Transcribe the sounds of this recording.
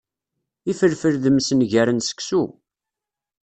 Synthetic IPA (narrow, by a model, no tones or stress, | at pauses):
ifəɾfəɾðəmsənʝæɾənsə̥ksu